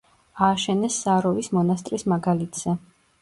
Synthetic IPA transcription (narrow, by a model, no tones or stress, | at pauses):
aːʃɛnɛsːaɾɔvismɔnast̪ʼɾismaɡalit̪ʰz̥ɛ